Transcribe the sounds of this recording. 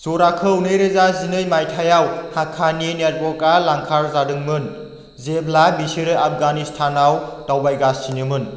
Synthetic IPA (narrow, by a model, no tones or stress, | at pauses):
zoɾakʰɯwnɯjɾezazinɯjmajtʰajawhakʰaninet̚bɔkalaŋkʰaɾzadɯŋmɯn | zeblabisiɾɯʔap̚ʰɡanistʰanawtawbajɡasinɯmɯn